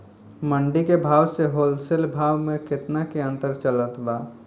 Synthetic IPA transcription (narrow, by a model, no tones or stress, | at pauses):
məɳɖikebʱaːwseɦoːlsɪlbʱaːwmẽkɪt̪nakeə̃nt̪əɾt͡ʃələt̪baː